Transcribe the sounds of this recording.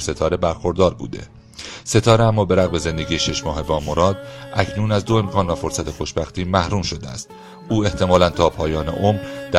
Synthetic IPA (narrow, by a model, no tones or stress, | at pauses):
se̞t̪ʰɒːɾe̞bæɾxo̞ɾd̪ɒːɾbṵːd̪e̞̰ | se̞t̪ʰɒːɾeæmːɒːbe̞ɾæɣbe̞ze̞nd̪e̞ɟiːeʃe̞ʃmɒːɦevɒːmoɾɒːd̪ʔæcʰnuːnæzd̪o̞e̞mkʰɒːnvæfo̞ɾsæt̪ʰexoʃbæxt̪iːmæhɾuːmʃo̞d̪eæ̰st̪ | uːe̞ht̪ʰe̞mɒːlænt̪ʰɒːpʰɒːjɒːne̞̰ʔomɾd̪̥æ